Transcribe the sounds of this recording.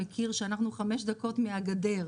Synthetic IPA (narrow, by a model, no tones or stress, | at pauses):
ekiʁʃeanaχnuχame̞ʃd̪ako̞tmeaɡade̞ʁ